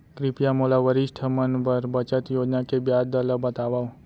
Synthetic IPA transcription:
kɾɪpjamolaʋəɾɪʃʈʰəmənʋəɾbət͡ʃət̪joːd͡ʒnakebjaːd̪ələbət̪aːʋao

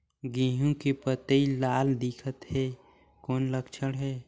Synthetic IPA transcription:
ɡĩːɦõkepət̪eilaːld̪ɪkʰət̪ɦɛː | kɔːnləkt͡ʃʰəɽɦɛː

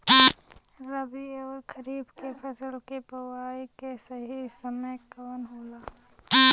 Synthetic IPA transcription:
ɾəbiɔːɾkʰəɾiːbkepʰəsəlkepəwaːikesəɦisəməjkɔːnɦoːlaː

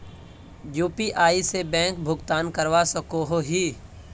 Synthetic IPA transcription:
juːpiʔaːisebɛ̃ːŋk̚bʱʊɡt̪aːnkəɾʋasəkoːɦoɦi

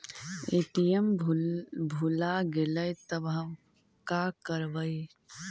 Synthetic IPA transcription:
eːʈijəm | bʱulaɡeləjt̪əbɦəm | kakəɾʋəi

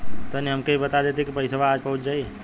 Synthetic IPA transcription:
t̪oniɦɐmkeibɐt̪ad̪eːt̪ekipɐɪsəʋaːd͡ʒpɐɦʊt̪d͡ʒaːi

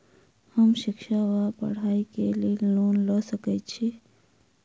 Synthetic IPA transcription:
həmʃɪkʃaʋapə̰ɽ̤aːikeleloːnləsəkɛt̪t͡ʃʰi

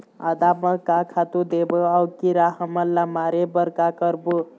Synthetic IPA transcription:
a̰d̪aməkakʰat̪ud̪ebəawkiɾaɦəməllamaɾebəɾkakəɾbu

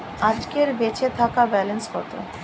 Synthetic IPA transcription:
ad͡ʑkeɾbet͡ɕʰet̪ʰakabɛlenskɔt̪o̰

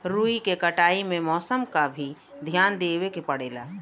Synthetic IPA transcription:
ɾuːikekəʈaːimẽmɔːsəmkabʱid̪ʱjaːnd̪eːwekepəɽeːla̰ː

